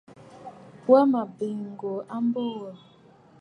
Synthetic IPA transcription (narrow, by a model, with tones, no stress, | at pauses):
wa˦ma˨bi˨ŋ˨ɡo˨a˦m˦bo˦a˨